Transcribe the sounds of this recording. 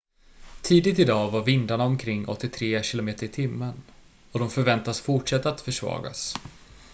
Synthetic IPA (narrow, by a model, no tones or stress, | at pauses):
t̪ʰiːd̪ɪt̪ɪd̪ɑːvaɾvɪnd̪aɳaɔmkʰɾɪŋːɔ̰t̪ːɪt̪ʰɾeːɕɪlʊmeːt̪əɾɪt̪ʰɪmːən | ɔd̪ɔmfœɾvɛnt̪asfʊʈʂɛt̪ːaat̪fœʂvɑ̰ːɡa̰s